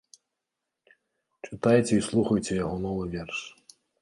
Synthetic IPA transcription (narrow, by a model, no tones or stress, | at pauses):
t͡ʃɪt̪ajet͡sʲɛislˠuxɐjt͡sʲɛjɐɦɔnɔʋɪʋʲɛrʃ